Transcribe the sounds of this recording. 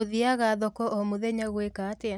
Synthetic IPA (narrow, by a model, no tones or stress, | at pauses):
oðiaɣaðɔkɔʔɔmoðɛɲaɣwekatea